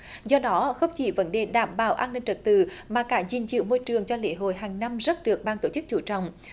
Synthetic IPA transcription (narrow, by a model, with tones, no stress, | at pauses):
zɔ˧ɗɔ˨˦xə˧wŋ͡mt͡ɕi˧˩və˨˦nɗe˨˩ɗaː˧˩mɓa̰ː˧˩wʔaː˧nːï˧ŋ̟t͡ɕə˨˩t̚t̪ɨ̰˧˨maː˨˩kaː˧˩zḭ˨˩nt͡ɕɨ̰˧˦mo˧jt͡ɕɨ˨˩əŋt͡ɕɔ˧lḛ˧˦ɦo̰˧˨jɦaː˨˩ŋna˧mzə˦˥t̚ɗɨ˨˩ək̚ɓaː˧nt̪o˧˩t͡ɕɨ˦˥k̚t͡ɕṵ˧˩t͡ɕɔ̰˧˨wŋ͡m